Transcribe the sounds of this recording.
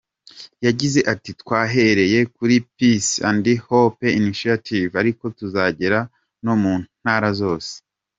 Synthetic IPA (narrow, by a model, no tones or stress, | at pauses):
jaɟize̞ʔatitkwaːɦe̞ɾe̞je̞kuɾipisandihopeiniʃiatʰivaɾiko̞tuzaɟe̞ɾa | no̞muːnhaːɾazo̞ːse̥